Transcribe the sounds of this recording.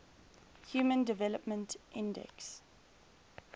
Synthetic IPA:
hjuːmə̃ndɪvɛləpmə̃ntʔɪ̃ndɛ̰ks

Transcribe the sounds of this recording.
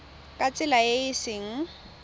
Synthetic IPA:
kʼat͡sʼɪlajeɪsɪŋ̩

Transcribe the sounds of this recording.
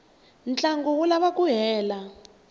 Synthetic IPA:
nt͡ɬʼaŋɡɔwulaβakʼuɦɛːla

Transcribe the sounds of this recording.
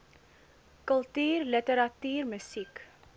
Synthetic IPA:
kəlˠtyːrlətəɾɐtyːrməsik

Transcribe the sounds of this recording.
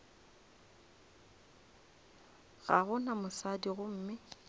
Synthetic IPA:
ɣaɣʊnamʊsadiɣʊm̩ːmɪ

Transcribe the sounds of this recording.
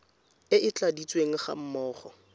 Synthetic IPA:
ɪʔɪt͡ɬʼadit͡sʼweŋ̩χa̰m̩mɔːχɔ

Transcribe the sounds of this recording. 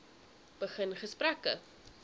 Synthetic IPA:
b̥əχənχəspɾækə̰

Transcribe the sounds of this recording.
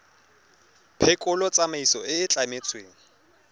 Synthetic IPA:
pʰɛkʼʊlɔt͡sʼamaisɔɪːt͡ɬʼamet͡sʰʼweːŋ̩

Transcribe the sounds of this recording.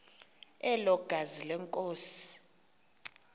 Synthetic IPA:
ɛlɔɡ̥ʱazilɛŋkʼoːsi̥

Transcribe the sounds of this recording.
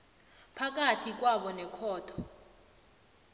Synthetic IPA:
pʰak̬atʰik̬waɓɔnɛkʰɔːtʰɔ̥

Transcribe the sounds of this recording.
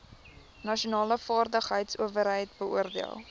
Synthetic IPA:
nɐʃiunɑːləfɑːrdəχɦəjtsṵəvəɾɦəjtbəṵərdiəlˠ

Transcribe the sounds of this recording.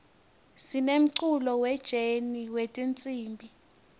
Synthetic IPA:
sinem̩ǀulɔwɛd̥ʒ̥ʱeniwetʼint͡sʼiːmbʱi

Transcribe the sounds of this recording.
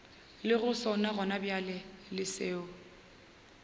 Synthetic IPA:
lɪɣʊsɔnaɣɔnabjalɛlɪseːʊ

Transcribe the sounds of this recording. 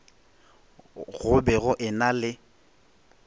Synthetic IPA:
ɣʊbɛɣʊʔɪnalɪ

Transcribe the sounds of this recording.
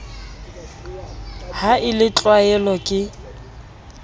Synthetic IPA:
haʔɪlɪt͡ɬʼwaɛlɔkʼɪ

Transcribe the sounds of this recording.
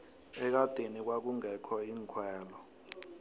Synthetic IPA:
ɛk̬ad̥ʱenik̬wak̬uŋɛkʰɔiːŋkʰwɛːlɔ

